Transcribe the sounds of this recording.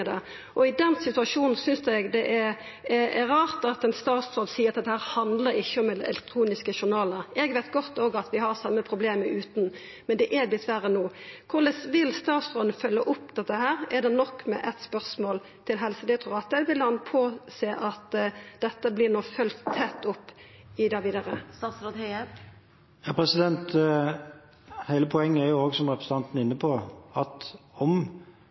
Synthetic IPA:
d̪ɛ | ʔɔɪd̪ɛnsɪt̪ʉɑʂuːnn̩sʏnsɛɡd̪ɛʔɛɾ | ɛɛɾɑːʁt̪ɑt̪ɛnst̪ɑːt̪sɾoːd̪siːɾɑt̪ɛt̪ːəhæːɾhɑnd̪ləɾɪçːəɔmɛd̪ɛɛ̰lɛk̚t̪ʰɾuːnɪskəʃʊɾnɑːləɾɛɡʋɛɪt̪ɡɔt̪ːoːɡɑt̪ʋɪhɑʁsɑmːəpʰɾʊbleːməʉːt̪n̩ | mɛnd̪ɛʔɛblɪt̪ʋæːɾənuːkʰʊʁlɛsʋɪlst̪ɑːt̪sɾoːd̪nəfœlːəʔʊpːd̪̥ɛt̪ːəɦæːɾɛd̪ɛnɔkːmɛ̰ʔɛt̪spœʁsmoːl | t̪ʰɪlɦɛlsəd̪ɪt̪ʰuːʁɑt̪ːəʋɪlhɑnpʰoːseːʔɑt̪d̪̥ɛt̪ːəblɪʁnɔfœlt̪ʰːɛt̪ːʊpːɪd̪ɑːʋiːd̪əʁəsɑsɔ | jɑːpɾɛsɪd̪ɛnt̪ | hæɪləpʰɔɛŋːəæɾjʊoːɡsɔmʁɛpɾəsəɑnt̪n̩ɪnːəpʰɔɑt̪ɔm

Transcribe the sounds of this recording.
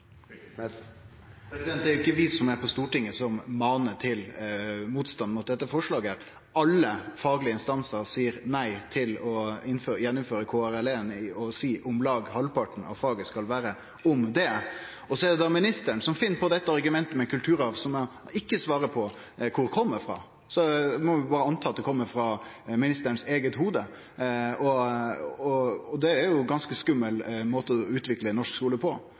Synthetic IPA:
pɾɛsɪd̪ɛnt̪d̪æɾʊɪkːəʋɪsɔmæɾpʰɔst̪uːʈɪŋːəsɔmːɑːnət̪ʰɪlmuːt̪st̪ɑnmʊt̪̚d̪ɛt̪ːəfɔʂɭɑːɡəæɾ | ɑlːəfɑːɡəlɪəɪnst̪ɑnsəɾsiːəɾnæɪt̪ʰɪlɔɪnføːjɛnːʊmføːɾəkʰoːæɾɛlɛnɪɔsiːʔʊmlɑːɡhɑlpɑʈɳ̩n̩ɑ̰ʋfɑːɡəskɑlʋæːɾə | ɔmd̪ɛ | ɔsɔɛd̪ɛd̪ɑmɪnɪst̪əɳsɔmfɪnːpʰɔd̪ɛt̪ːəɑɾɡʉmɛnt̪əmɛkʉlt̪ʰʉːɾɑʋsɔmɛɪkːəsʋɑːɾəpʰɔ | kʰʊɾkʰɔmːəɾfɾɑ̰ː | sɔmɔʋɪbɑːɾəɑnt̪ʰɑːt̪̚d̪ɛkʰɔmːəɾfɾɑmɪnɪst̪əɾɳ̩seːɡət̪huːd̪ə | ɔ | ɔɔd̪ɛæɾjʊɡɑnskəskʉmːəlmoːt̪əɔɔʉːt̪ʋɪklənɔʂkskuːləpʰɔ

